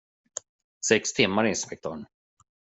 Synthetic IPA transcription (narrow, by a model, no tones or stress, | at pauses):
sɛkst̪ʰɪmːaɾɪɪnspɛk̚t̪ʰɔɳ